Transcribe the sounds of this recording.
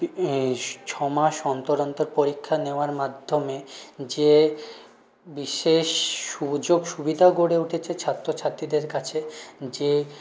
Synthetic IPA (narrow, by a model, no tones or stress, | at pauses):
t͡ɕʰɔmaʃɔnt̪oɾont̪oɾpoɾikʰːaneoaɾmad̪ʱːomed͡ʑe | biʃeʃːud͡ʑoɡʃubid̪ʱaɡoɽeuʈʰet͡ɕʰet͡ɕʰat̪ːɾot͡ɕʰat̪ːɾid̪eɾkat͡ɕʰed͡ʑe